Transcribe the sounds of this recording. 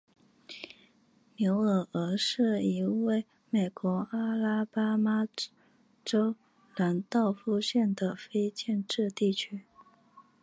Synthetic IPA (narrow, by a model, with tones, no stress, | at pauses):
njo˧˥ʊə˨˩ə˧˥ʂɻ̩˥˩i˧˥we˥˩ɪ | me˨˩ɪkwɔ˧˥a˥la˥pa˥ma˥ | ʈ͡ʂo˥ʊ | la˧˥nt̪ɑ˥˩ʊfu˥˧ɕjɛ˥˩nd̪ə˩fe˥ɪt͡ɕjɛ˥˧nʈ͡ʂɻ̩˥˧t̪i˥˩t͡ɕʰy˥